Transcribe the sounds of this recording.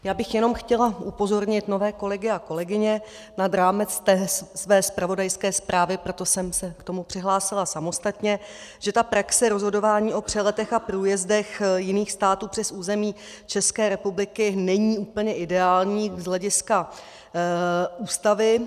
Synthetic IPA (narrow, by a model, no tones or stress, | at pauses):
jaːbɪxjɛno̞mxcɛlaʔupo̞zo̞ɾɲɪt̪no̞vɛːko̞lɛɡɪako̞lɛɡɪɲɛ | nad̪ɾaːmɛt͡st̪ɛsvɛːspɾavo̞dajskɛːspɾaːvɪpɾo̞t̪o̞sɛmsɛkt̪o̞mupr̥ɪɦlaːsɪlasamo̞st̪at̪ɲɛ | ʒ̥ɛt̪apɾaksɛɾo̞zɦo̞do̞vaːɲiːʔo̞pr̝̥ɛlɛt̪ɛxapɾuːjɛzdɛxjɪniːxst̪aːt̪uːpr̥ɛsuːzɛmiː | t͡ʃɛskɛːɾɛpublɪkɪnɛɲiːuːpl̩ɲɛʔɪdɛaːlɲiːzɦlɛɟɪska | uːst̪avɪ